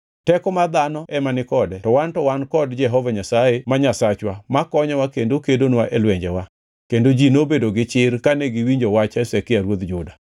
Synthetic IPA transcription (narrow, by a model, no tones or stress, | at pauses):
tɛkɔmad̪anɔʔɛmanɪkɔdɛtɔwantɔwankɔdd͡ʒɛɦɔvaɲasajemaɲasat͡ʃwamakɔɲɔwakendokedonwaʔelwɛɲd͡ʒɛwa | kendod͡ʒinobedoɡɪt͡ʃɪɾkanɛɡɪwiɲd͡ʒowat͡ʃɛsɛkɪaɾwod̪d͡ʒʊda